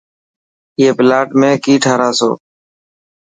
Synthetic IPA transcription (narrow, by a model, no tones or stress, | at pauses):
ɪːeːpɪlaːʈmẽːkiːʈʰaːɾaːso̰ː